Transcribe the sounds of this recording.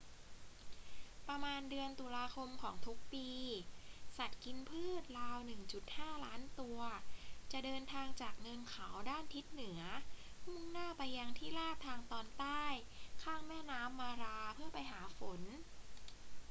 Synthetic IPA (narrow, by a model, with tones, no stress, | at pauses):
pɾa˧maː˧ndɯ˧ənt̪uː˧laː˧kʰo˧mkʰɔː˩˦ŋt̪ʰu˦˥k̚piː˧sa˨˩t̪̚ki˧npʰɯː˥˩t̪̚ɾaː˧wnɯ˨˩ŋt͡ɕu˨˩t̪̚haː˥˩laː˦˥nt̪u˧ɐt͡ɕa˨˩ʔdɤː˧nt̪ʰaː˧ŋt͡ɕaː˨˩k̚ŋɤ˧nkʰa˩˦wdaː˥˩nt̪ʰi˦˥t̪̚nɯ˩˦ɐ | hu˥˩nnaː˥˩pa˧jːa˧ŋt̪ʰiː˥˩laː˥˩t̪ʰːaː˧ŋt̪ɔː˧nt̪aː˥˩jkʰaː˥˩ŋmɛː˥˩naː˦˥mːaː˧ɾaː˧pʰɯ˥˩ɐpa˧jɦaː˩˦fo˩˦n